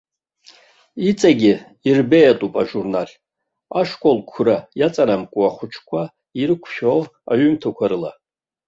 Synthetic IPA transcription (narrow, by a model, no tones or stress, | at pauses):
it͡sʼaɡʲɪ | irbejatʼupʼaʒurnalʲ | aʂkʷʼolkʷʰʊrajat͡sʼanamkʷʼuaχʷʊt͡ʃʰkʷʰa | irɨkʷʰʃᶣoaɥʏmtʰakʷʰaɾɨla